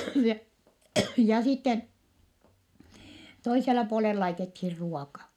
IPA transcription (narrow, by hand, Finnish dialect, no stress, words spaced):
jɑ jɑ sitːen toiselːɑ puolel lɑitethir ruokɑ